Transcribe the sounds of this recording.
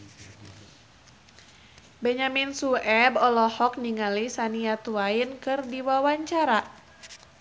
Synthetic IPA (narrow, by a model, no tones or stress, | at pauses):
bɛɲaminsuɛbɔlɔhɔk̚niŋalisaniat̪uainkɨrdiwawaɲt͡ʃaɾa